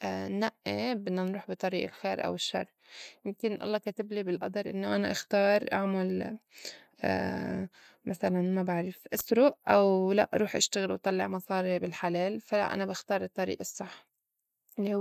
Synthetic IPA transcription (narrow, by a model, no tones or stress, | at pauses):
ʔnaʔːebɪdːanɾuːħbɪt̪ˤɑɾiːʔalxeːɾʔa̰wɪʃːɑ̰rˤːjɪmkɪnʔɑ̰lˤːɑːkat̪ɪblibɪlʔɑ̰d̪ˤɑɾˤʔɪ̰nːoʔanaʔaxt̪ɑːɾˤʔaʕmal | maθalanmabaʕɾɪfʔɪsɾʊʔʔawla̰ʔɾˤuːħʔa̰ʃt̪aɣɪlwt̪ˤɑlːɪʕmɑsˤɑːɾibɪlħaleːlfala̰ʔa̰nabɪxt̪ɑːɾˤɨt̪ˤːɑɾḭːʔɑsˤːɑħː | ʔɪlːihʊ